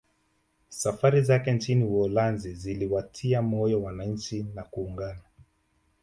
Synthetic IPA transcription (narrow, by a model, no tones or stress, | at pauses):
safaɾizakɛnt͡ʃiniwɔlanziziliwatʰiamɔjɔwanaɲ̩t͡ʃinakuːŋɡana